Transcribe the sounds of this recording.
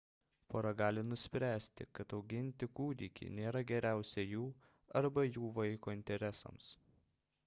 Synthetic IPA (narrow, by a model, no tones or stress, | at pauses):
poːɾɐɡɑːlʲɪnʊsʲpʲɾʲæːsʲt̪ʲɪ̰kɐt̪ɒʊɡʲɪnʲt̪ʲɪkuːd̪ʲikʲḭnʲeːɾɐɡʲɛɾʲæˑʊsʲɛjuː | ɐɾbɐjuːʋɐɪkoːɪnʲt̪ʲɛɾʲɛsɐ̰ms